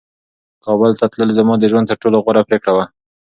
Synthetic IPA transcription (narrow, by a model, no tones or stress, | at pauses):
kɑbəlt̪at̪ləlzamɑd̪əʒwant̪əɾʈoloɣwaɾapɾekɽawa